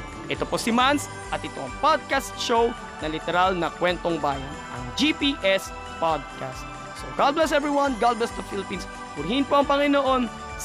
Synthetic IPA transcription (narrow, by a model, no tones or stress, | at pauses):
ʔɛt̪oposɪmans | ʔɐt̪̚ɪt̪o̞ʔɐŋpad̪̚kast̪̚ʃow | nɐlɪt̪ɛɾalnɐkwɛnt̪oŋbaːjɐnʔɐ̰ŋd͡ʒipiʔɛs | pad̪̚kʰast̪ | soɡalblɛsɛvɹiwɐnɡalblɛsd̪ɐfilɪpins | pʊɾhɪnpoʔɐŋpɐŋɪnoʔo̞n